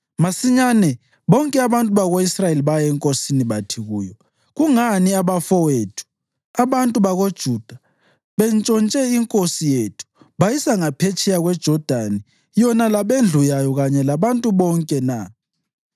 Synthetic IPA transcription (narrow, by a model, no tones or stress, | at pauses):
masiɲanɛ | βɔŋkʼɛaβantʼuβaɣoisrajeliβajaɛŋkʼosiniβatʰiɣuːjɔ | ɣuŋaniaβafɔwetʰu̥ | aβantʼuβaɣod̥ʒ̥ʱud̥ʱa | βɛnt͡ʃʼɔnt͡ʃʼɛiŋkʼosijetʰu̥ | βajisaŋapʰet͡ʃʰʼɛjaɣwɛd̥ʒ̥ʱɔd̥ʱani | jɔnalaβend͡ɮʱujajɔɣaɲɛlaβantʼuβɔŋkʼɛna